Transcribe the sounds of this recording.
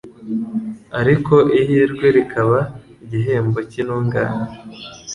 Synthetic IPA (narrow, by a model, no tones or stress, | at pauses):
aɾiko̞ʔihiɾɡwe̞ɾikʰaβaiɟiɦe̞ːmbo̞cinuːŋɡa̰ːna